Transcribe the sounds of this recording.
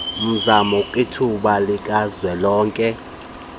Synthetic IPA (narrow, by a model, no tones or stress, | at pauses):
m̩zamɔkʼitʰuɓalikʼazwɛlɔːŋkʼɛ